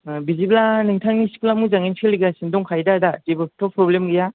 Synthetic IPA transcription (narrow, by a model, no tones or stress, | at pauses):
biziblanɯŋtʰaŋnisi̥kulamuzaŋinpʰiliɡasindɔŋkʰajdadatebɯtʰɔpʰɾɔblemɡija